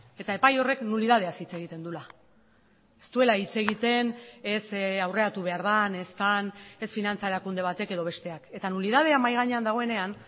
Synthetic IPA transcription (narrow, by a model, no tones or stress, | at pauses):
e̞t̪ae̞pajo̞re̞knuliðað̞e̞asit͡se̞ɣ̞it̪e̞nd̪ula | e̞st̪ue̞lait͡se̞ɣ̞it̪e̞ne̞sawre̞at̪uβ̞e̞aɾðane̞st̪ane̞sfinant͡saeɾakund̪e̞β̞at̪e̞ke̞ð̞o̞β̞e̞st̪e̞ake̞t̪anuliðað̞e̞amajɣ̞aɲe̞and̪aɣ̞o̞e̞ne̞an